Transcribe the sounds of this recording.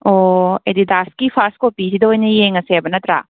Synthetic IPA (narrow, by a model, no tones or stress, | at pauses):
oed̪idaskipʰaskopisidɐojnɐjeŋɐsebɐnɐt̪ɾa̰